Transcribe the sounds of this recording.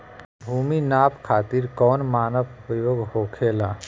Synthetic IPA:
bʱuːminaːpkʰaːt̪iɾkɔːnmaːnəʋʋɪjoːɡhoːkʰeːlaː

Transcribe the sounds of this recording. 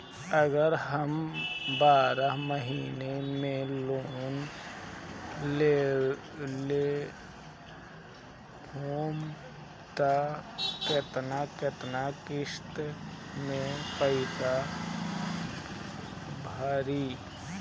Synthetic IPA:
əɡəɾɦəmbaːɾaɦməɦiːnemẽloːn | le | le | hoːm | t̪aket̪naket̪nakɪʃt̪mẽpəɪsa | bʱaɾiː

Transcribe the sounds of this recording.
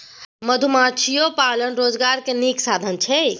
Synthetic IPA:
məd̪ʱumat͡ʃʰijopalənɾod͡ʒɡaɾkeniksad̪ʱənt͡ʃʰɛ

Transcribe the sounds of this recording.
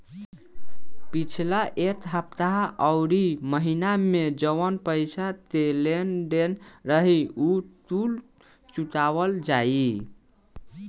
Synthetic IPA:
pit͡ʃʰlaʔet̪ɦəp̚t̪aɦʔəʊɾiməɦinamed͡ʒəwənpəjt͡ʃʰat̪elenɖenɾəɦiut̪ul | t͡ʃut̪aʋəld͡ʒai

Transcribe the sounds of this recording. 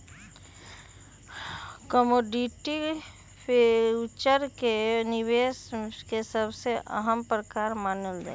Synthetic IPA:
kɔmoːɖiʈi | pʰet͡ʃəɾkenɪʋeːskesəbseʔə̰ɦəmpɾəkaːɾmaːnəld̪ḛ

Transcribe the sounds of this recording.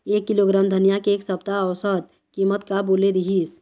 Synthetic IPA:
ekːiloɡɾamd̪ʱənijakeːksəb̚t̪aəwsəd̪̚ | kimət̪kaboleɾiɦis

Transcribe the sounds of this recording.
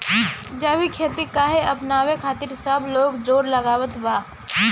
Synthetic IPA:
d͡ʒəwikʰeːt̪ikaːɦeɐpnaːwekʰaːt̪iɾsəbloːɡd͡ʒoːɾləɡaːwət̪baː

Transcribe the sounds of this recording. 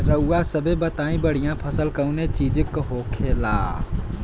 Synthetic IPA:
ɾəuːasəbʱebət̪aːĩbəɽ̤ijãpʰəsəlkəʊnet͡ʃiːd͡ʒkɦoːkʰeːla̰ː

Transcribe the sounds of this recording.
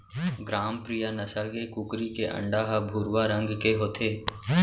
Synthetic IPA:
ɡɾaːmpɾijanəsəlkekʊkɾikeʔə̰̃ɳɖaːɦabʱuːɾwaɾə̃ŋɡkeɦoːt̪ʰeː

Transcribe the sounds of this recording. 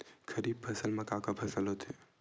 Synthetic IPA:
kʰɐɾiːb̚pʰɐsəlmɐkaːkapʰɐsəlɦot̪ʰe

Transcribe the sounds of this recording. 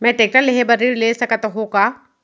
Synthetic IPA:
mɛ̃ʈeːk̚ʈəɾleɦebɐɾiɾleːsɐkət̪ɦokaː

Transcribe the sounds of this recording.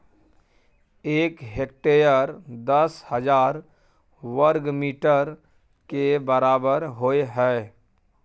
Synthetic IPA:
eːkɦek̚ʈejəɾd̪əshəd͡ʒaːɾ | ʋəɾɡmiːʈəɾ | kebəɾaːbəɾɦoeɦɛː

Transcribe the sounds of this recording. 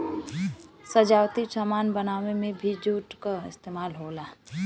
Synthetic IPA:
səd͡ʒaːwt̪isamaːnbənaːʋemẽbʱid͡ʒuːʈkaɪst̪eːmaːlɦoːlaː

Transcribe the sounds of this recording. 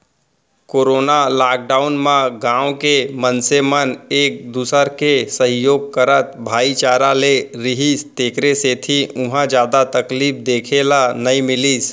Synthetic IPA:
koːɾoːnalaːk̚ɖaːʊnmãɡãːwkemənseməneːk̚d̪uːsəɾkesə̃ɦjoːɡ̚kəɾət̪̚bʱaːit͡ʃaːɾaleɾɪɦiːst̪eːkɾeseːt̪ʰiʔʊɦãd͡ʒjaːd̪at̪əkliːp̚d̪eːkʰelanəimɪliːs

